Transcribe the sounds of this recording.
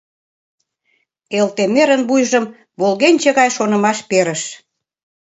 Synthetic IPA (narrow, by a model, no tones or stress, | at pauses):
elt̪emeɾənbujʒəm | βolɣenʲt͡ɕə̆ɣɑjʃonə̆mɑʃpeɾəʃ